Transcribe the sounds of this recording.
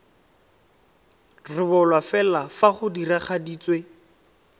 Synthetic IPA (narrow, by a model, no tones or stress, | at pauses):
rɪbɔlwafɛlafaχʊdiraχadiːt͡swe